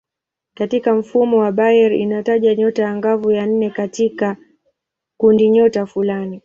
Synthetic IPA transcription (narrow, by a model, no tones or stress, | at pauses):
katikam̩fumɔwaɓajɛɾḭnataʄaɲɔtajaŋɡavujan̩nɛkatika | kundiɲɔtafulani